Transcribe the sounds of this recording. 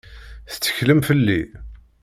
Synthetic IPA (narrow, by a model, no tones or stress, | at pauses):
θt͡sːə̥çləmfəlːi